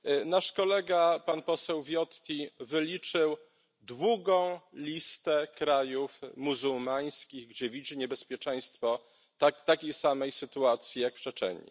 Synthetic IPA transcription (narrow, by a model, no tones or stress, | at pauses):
naʂkɔlɛɡapanpɔsɛwvʲjɔt̪kʲivɘlʲit͡ʂɘw | d̪wuɡɔ̃w̃lʲist̪ɛkɾajufmuzuwmaj̃skʲiɣɡd͡ʑɛvʲid͡ʑiɲɛbɛspʲjɛt͡ʂɛj̃st̪fɔ | t̪akt̪akʲejsamɛjsɘt̪uat̪sʲjijakpʂɛt͡ʂɛ̰ɲḭ